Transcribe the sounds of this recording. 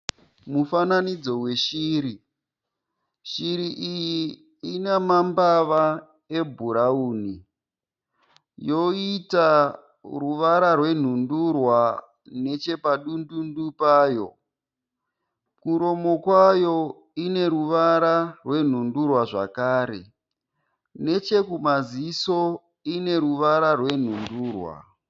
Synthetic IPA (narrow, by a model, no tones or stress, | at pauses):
mufananid͡zo̞we̞ʃiːɾi | ʃiɾiʔijiː | nemambaʋa | e̞bʱuɾauːni | jo̞ita | ruʋaɾarwe̞n̤undurwa | ne̞t͡ʃe̞paɗundundupaːjo̞̰ | kuɾo̞mo̞kwajo̞ | ine̞ɾuʋaɾarwe̞n̤undurwaʐa̰kaːɾḛ | ne̞t͡ʃe̞kumaziso̞ | ine̞ɾuʋaɾarwe̞n̤unduːrwa̰